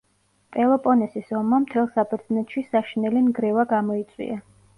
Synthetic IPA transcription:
pʼɛlˠɔpʼɔnɛsisɔmːamt̪ʰɛlˠsabɛɾd̪znɛt̪ʃisaʃinɛlinɡɾɛvaɡamɔit̪sʼwḭa

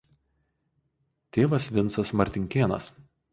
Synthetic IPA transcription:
t̪ʲeːʋɐsʋʲɪnt̪sɐsmɐɾʲt̪ʲɪŋʲkʲeːnɐ̰s

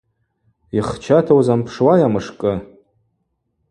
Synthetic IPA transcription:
iχt͡ʃʰatʰawzampʰʂwajamɨʂkʼɨ

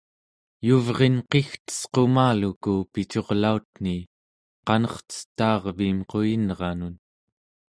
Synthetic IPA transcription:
juvʁe̞nqext̪ə̥sqo̞maːlukupit͡ʃo̞ʁlaut̪̚n̥i | qɑnʌχt͡sə̥t̪ːɑːʁviːmqo̞jinʁɑnun

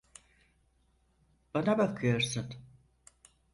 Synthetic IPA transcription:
b̥anabakʰɯjo̞ɾsun

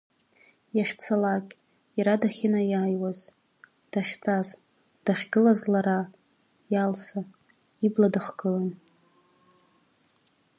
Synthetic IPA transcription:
jaχʲt͡sʰalakʲʼ | jaɾadaχʲɪnajaːjwaz | d̥aχʲtʰaz | d̥aχʲɡɨlazlaɾa | jalsa | ibladɨχɡ̥ɨlan

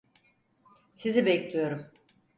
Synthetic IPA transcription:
sizibɛclʲijo̞ɾum

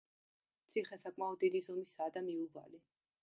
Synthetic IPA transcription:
t̪sʰiχɛsakʼmaɔd̪̚d̪id̪izɔmisaːd̪amiuba̰li

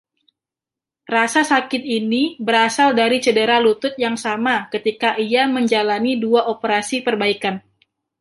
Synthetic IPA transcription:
rasasakɪt̪̚inibəɾasaldaɾit͡ʃədəɾalut̪ʊt̪̚jaŋsamakət̪ikaʔiaməɲd͡ʒalaniduaʔopəɾasipərbaikan

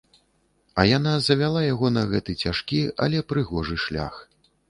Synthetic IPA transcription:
ɐjan̪azɐvʲalˠajaɣɔnɐɣɛt̪ɨt͡sʲaʂkʲiɐ̰lʲɛpɾɨɣɔʐɨʂlʲa̰x

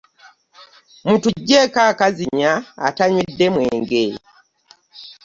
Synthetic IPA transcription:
mutuɟːekaːkaziɲa̰ːtaɲwidːemweːŋɡe

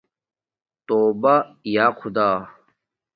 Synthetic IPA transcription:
t̪oːbɐjaːqʰʊd̪aː

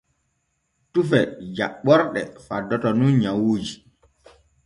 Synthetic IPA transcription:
tufɛd͡ʒa̰ɓːɔɾɗɛfadːɔtɔnunɲawuːd͡ʒi

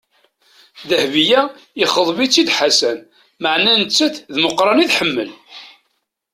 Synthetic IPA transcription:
ðəhvijæiχəðˤvit͡sːid̪ħasæn | məʕnænət͡sːəθðməqːɾˤɑniðħəmːə̰l

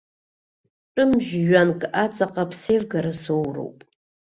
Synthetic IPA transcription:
ʈ͡ʂʼʊmʒᶣːankʼat͡sʼaqʼapʰsejvɡaɾasowro̰wpʼ

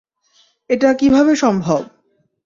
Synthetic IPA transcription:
eʈakibʱabeʃɔmbʱob

